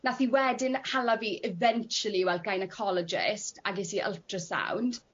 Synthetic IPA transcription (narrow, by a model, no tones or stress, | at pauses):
naθiwɛdɪnhalaviːʔɪvɛnt͡ʃəliwɛlˠd̚ɡajnəkʰɔlɔd͡ʒɪ̰stʰaɡɪsiʔə̰lˠtrəsa̰wnd̥